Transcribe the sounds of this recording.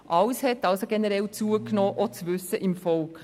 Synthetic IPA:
ʔɑlshɛtɑlsoɡɛnəɾɛlt͡suəknoːʔɔt͡sʋʉsəʔɪmfɔlk

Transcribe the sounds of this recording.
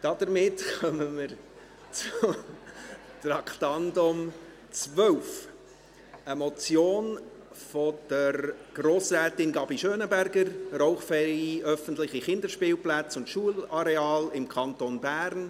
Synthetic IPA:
d̥ɑd̥̪əɾmɪtkœməmɪɾ | t͡sʊ | tɾɑkt̪ɑndʊm | t͡svœwf | əmɔt͡sjoːn | fɔd̥əɾɡ̥roːsɾæːtɪnɡɑbiʃøːnəbæɾɡəɾroʊχfɛɾiiʔœfən̩tlɪχiχɪnd̪əɾʃpɪːlplæt͡sʊntʃuəlɑɾeɑːlɪmkʰɑntonbæːɾn

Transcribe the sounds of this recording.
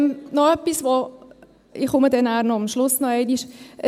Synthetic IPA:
mnɔœpːisʋo | ɪχʊmədɛnæːɾnɔamʃlʊsnɔɛɪniʃə

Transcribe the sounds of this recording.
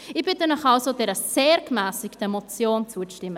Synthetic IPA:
ɪb̥ɪt̪ənɔχɑlsodɛɾəseːɾkmæːsɪktəɛmot͡sjoːnt͡suəʃtɪmːə

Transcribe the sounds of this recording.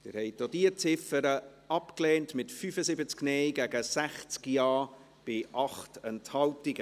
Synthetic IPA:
d̥ɪ̰ɾhɛɪd̥odiːət͡sɪfəɾə | ɑpkleːntmɪtfyfəsɪbət͡sknɛɪɡæɡəsæχt͡skjɑː | b̥ɪʔɑχtɛnthɑltɪɡə

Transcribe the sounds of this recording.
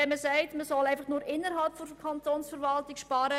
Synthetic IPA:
ɛnməsæɪtməsɔlæɪfɑχnʊːɾɪnːəɾɦɑlpfokʰɑntoːnsfəɾvɑltɪkʃpɑːɾə

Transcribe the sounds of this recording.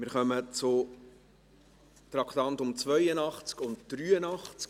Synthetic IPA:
mɪɾχœmət͡sʊ | t̪ɾɑkt̪ɑnt̪ʊmt͡svœjənɑχt͡skʊntd̪̥ɾyːənɑχt͡sk

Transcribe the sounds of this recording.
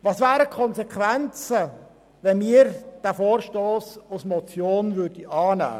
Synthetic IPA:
ʋɑsvæːɾəkʰɔnzekʰʋɛnt͡sə | ʋɛnmiːɾd̥æːfoːɾʃtoːsusmɔt͡sjoːnvʏɾd̥iʔɑːnæ̰ː

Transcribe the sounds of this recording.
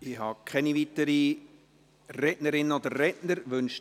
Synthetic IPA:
ɪhɑkʰɛniʋitəɾi | rɛtnəɾɪnːəod̪əɾːɛtnəɾʋɵnʃ

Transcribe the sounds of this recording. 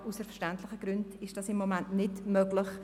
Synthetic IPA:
usəfəʃtæntlɪχəɡ̥ɾʏnd̥ɪʃd̥ɑsɪmːomæntnɪdmœɡlɪχ

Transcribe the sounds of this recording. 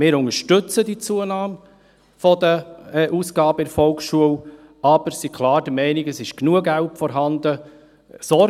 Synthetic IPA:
mɪːɾʊŋəɾʃtʏt͡sədit͡suənaːm | fɔdəʔuːsɡ̥ɑːbəɪɾfɔlksʃuəw | ɑb̥əɾsikʰlɑːɾd̥əmɛɪnɪɡəsɪʃknuəɡælpfɔɾɦɑnd̪ə | sɔ

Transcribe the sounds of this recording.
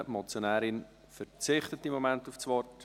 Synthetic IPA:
mɔt͡sjonæːɾɪn | fəɾt͡sɪχtətɪmːomæntuft͡sʋɔrt

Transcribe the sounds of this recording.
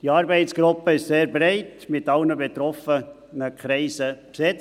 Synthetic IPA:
d̥iɑːɾbɛɪtt͡sɡ̥ɾʊpːəɪʃseːɾbɾɛɪtmɪtɑlnəbet̪ɾɔfə | nəkʰχɾɛɪsəksɛt͡s

